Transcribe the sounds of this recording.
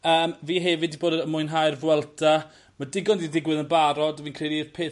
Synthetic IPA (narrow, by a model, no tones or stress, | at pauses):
əːmviːɦɛvɨdiboːdəəmʊɨnɦajrvwɛlˠtʰa | madɪɡɔndidɪɡwɪðənbaɾɔdviːnkʰr̥ejliðpʰeː